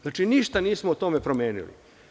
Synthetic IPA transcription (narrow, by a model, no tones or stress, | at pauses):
znaːt͡ʃiniʃt̪aniːsmout̪o̞mepɾomeːnḭlḭ